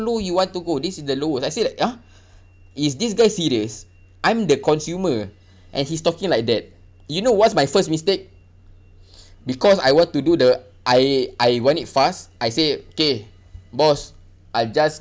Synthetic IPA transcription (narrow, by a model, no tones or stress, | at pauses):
lojuwɔ̃ntːuɡodisisdəloəsajselaɪka | isdis̬ɡajsiɹiəs | ʔãj̃mdəkɔ̃nsjumə | ʔɛ̰̃nhistɔkĩŋlaɪk̚dɛt̚ | junowɔtsmajfəsmistek̚ | bikɔsa̰jwɔ̃ntududə | ʔajʔajwãnitfastajseoke | bɔs | ʔajld͡ʒas